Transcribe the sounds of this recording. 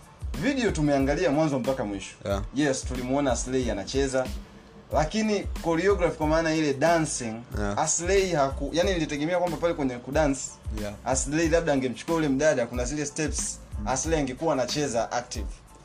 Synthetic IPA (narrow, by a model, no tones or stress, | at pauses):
viɗiɔtumɛaŋɡaliamwanzɔm̩pakamwiʃɔ̥jɛstulimuɔnaːslɛianat͡ʃɛza | lakinikɔɾiɔɡɾafikwamaːnailɛɗansiŋaslɛihakujaninilitɛɡɛmɛakwambapalɛkwɛɲɛkuɗansaslɛilab̚ɗaŋɡɛm̩t͡ʃu̥kɛaulɛm̩ɗaɗakunazilɛstɛpsaslɛiaŋɡɛkuwaːnat͡ʃɛzaʔak̚tiv